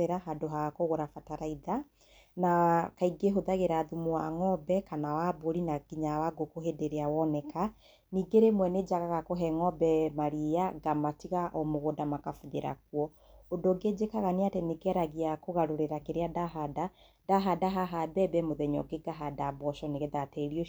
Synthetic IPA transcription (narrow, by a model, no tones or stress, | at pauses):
eɾaɦadoɦaɣakoɣoɾafataɾaiða | nakaiɡeɦoðaɣeɾaːðumuaŋɔbɛkanawaboɾinakiɲawaɡokoɦedeɾeawɔnɛka | niːɡeɾemwɛned͡ʒaɣaɣakoɦɛŋɔbɛmaɾiaɡamatiɣaʔɔmoɣodamakafuðeɾa̰kwɔ | ondoɡed͡ʒekaɣaneatɛneɡɛɾaɣiakoɣaɾoɾeɾakeɾeadaɦada | daɦadaɦaɦadɛbɛmoðɛɲɔ̰ɡeɡaɦadabɔʃɔneɣeðatɛɾiɔ